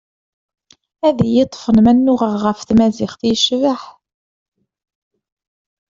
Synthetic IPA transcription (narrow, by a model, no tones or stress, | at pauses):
æðijət̪ˤːfənmænːʊʁəʁʁəfθmæzɪχθjəʃvaħ